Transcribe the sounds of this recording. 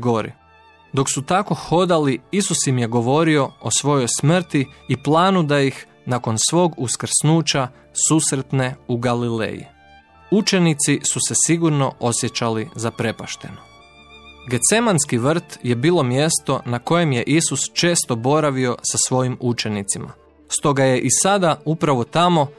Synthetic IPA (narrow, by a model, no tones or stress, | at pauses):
ɡo̞ɾḭ | d̪o̞ksut̪ako̞xo̞d̪aliisusimjeɡo̞ʋo̞ɾio̞osʋo̞jo̞jsmr̩t̪iːplˠaːnud̪ajix | nako̞nsʋo̞ːɡuskr̩snuːt͡ɕa | susɾet̪ne̞uɡalilḛːjḭ | ut͡ʃe̞nit̪sisuse̞siɡuɾno̞ʔo̞sje̞t͡ɕalizapɾe̞paʃt̪e̞no | ɡe̞t̪se̞manskiʋr̩t̪je̞biːlˠo̞mjest̪o̞nako̞je̞mje̞ʔisust͡ʃe̞ːst̪o̞bo̞ɾaʋio̞sasʋo̞jimut͡ʃe̞nit̪sima̰ | st̪o̞ɡaje̞ʔisad̪aupɾaʋo̞t̪amo̞